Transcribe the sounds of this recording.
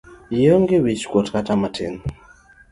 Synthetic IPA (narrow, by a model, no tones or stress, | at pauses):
jəŋɡɪwit͡ʃkwotkatamatʰɪ̰n